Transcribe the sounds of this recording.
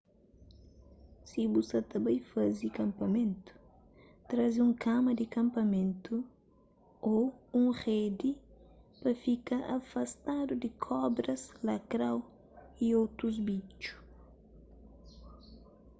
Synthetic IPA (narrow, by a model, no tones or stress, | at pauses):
sibusɐt̪ɐbɐ̃jfazikɐ̃mpɐmẽnt̪u̥ | t̪ɾazũŋkʰamɐd̪ɪkɐ̃mpɐmẽnt̪u | oũŋʁed̪ipɐfikaʔɐ̰fɐst̪ad̪ud̪ɪkʰɔbɾɐzlɐkɾaw | iowt̪ɾuzbit͡ʃu̥